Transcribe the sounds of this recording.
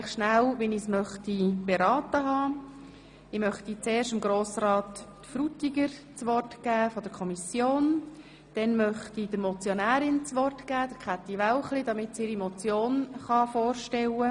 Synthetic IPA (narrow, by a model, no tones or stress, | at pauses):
χʃnælʋɛnismœχtib̥eɾɑːtəɦɑː | ɪmœχtit͡seːɾʃtɪmɡɾoːsɾɑːt̪ | fɾutiɡəɾt͡sʋɔrtɡ̥æːfɔd̥əɾkʰɔmisjoːn | d̥ɛnmœχtid̥əɾmɔt͡sjonæːɾɪnt͡sʋɔrtɡ̥æːd̥̪əɾkχat̪ːiʋæwχlidɑmɪtsiɪɾimɔt͡sjoːnχɑfoːrʃtɛwə